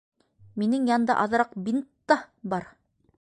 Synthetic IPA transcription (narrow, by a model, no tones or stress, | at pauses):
minɘŋjɑnd̪ɑ̰ʔɑðɾɑqbint̪ːɑbɑɾ